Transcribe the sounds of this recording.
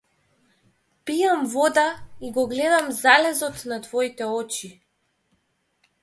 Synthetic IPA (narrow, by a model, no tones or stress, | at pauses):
pijamvɔd̪aiɡɔɡlɛd̪amzalɛzɔt̪nat̪vɔit̪ɛɔt͡ʃi